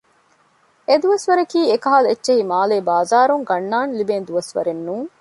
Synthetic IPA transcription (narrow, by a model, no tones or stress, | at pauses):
ed̪uʋɐsʋɐɾɐkiːekɐɦaːletːʃeɦimaːleːbaːzaːɾuŋɡɐnːaːnlibeːnd̪uʋɐsʋɐ̰ɾenːuːŋ